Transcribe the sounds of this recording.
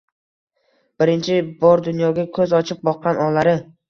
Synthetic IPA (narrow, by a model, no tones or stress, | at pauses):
b̥ɪɾɪnt͡ʃʰɪbɒɾd̪ʊnjɒɡʲakʲʰɵzɒt͡ʃʰɪp̚bɒqːɑnɒlaɾɪ